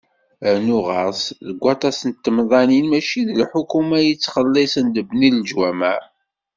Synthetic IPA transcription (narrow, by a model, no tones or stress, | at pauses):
nuʁɑsðəɡʷːɑt̪ˤɑsənt̪ːəmðˤɑninmæʃiðəlħukumæjət͡sːχəlːesənd̪əbnilʒwæmæ